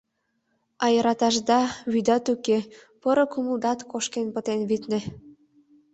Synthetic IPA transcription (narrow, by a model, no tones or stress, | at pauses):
ɑjɤɾɑt̪ɑʒd̪ɑβyd̪ɑt̪ukepəɾɤ̆kuməld̪ɑt̪koʃkenpət̪enβit̪nĕ